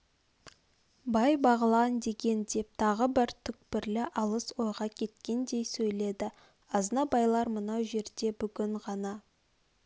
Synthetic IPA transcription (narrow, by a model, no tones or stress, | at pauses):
bɑjbɑʁəlˠɑnd̪e̞ɡʲe̞nd̪e̞p̚t̪ʰɑʁəbɪɾt̪ʰʏk̚pɪɾlɪʔɑlˠəswo̞jʁɑkʲʰe̞t̪kʲe̞nd̪e̞jsɵjle̞d̪ɪ | ɑznɑbɑjlˠɑɾmənɑwʒe̞ɾd̪e̞bʏɡʲɪɴʁɑnɑ